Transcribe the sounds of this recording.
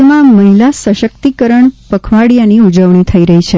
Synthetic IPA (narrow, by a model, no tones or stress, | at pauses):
mãməɦilasəʃək̚t̪ikəɾəɳpəkʰʋaɽjaniud͡ʒəʋɳ̃it̪ʰəiɾəɦit͡ʃʰe